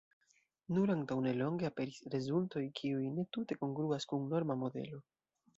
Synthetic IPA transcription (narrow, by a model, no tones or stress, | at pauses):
nuɾaŋtawne̞lo̞ŋɡeape̞ɾisɾe̞zulto̞jkʰiujne̞tute̞ko̞ŋɡɾuaskuŋno̞ɾmamo̞de̞̰lo̞